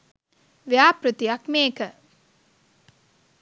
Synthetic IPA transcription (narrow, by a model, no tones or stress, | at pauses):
ʋejaːpɾət̪ijakmeːkə